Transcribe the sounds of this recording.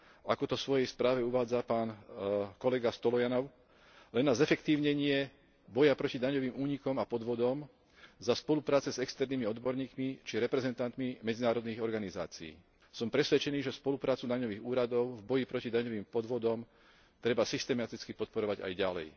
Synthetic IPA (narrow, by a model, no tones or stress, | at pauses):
ʔakɔt̪ɔsʋɔjɛjspɾaːʋɛuʋaːd͡zapaːnkɔlɛɡast̪ɔlɔjanɔʊ | lɛnːazɛfɛkt̪iːʊɲɛɲɪɛ | bɔjapɾɔcid̪aɲɔʋiːmuːɲikɔmapɔd̪ʋɔd̪ɔm | zaspɔlupɾaːt͡sɛzɛkst̪ɛɾniːmiɔd̪bɔɾɲiːkmit͡ʃiɾɛpɾɛzɛnt̪ant̪mimɛd͡zinaːɾɔd̪niɣɔɾɡaniza̰ːt͡sḭḭː | sɔmpɾɛsʋɛt͡ʃɛniːʒɛspɔlupɾaːt͡sud̪aɲɔʋiːɣuːɾad̪ɔʊvbɔjipɾɔcid̪aɲɔʋiːmpɔd̪ʋɔd̪ɔm | t̪ɾɛbasist̪ɛmat̪it͡skipɔt̪̚pɔɾɔʋaɟa̰jɟalɛ̰j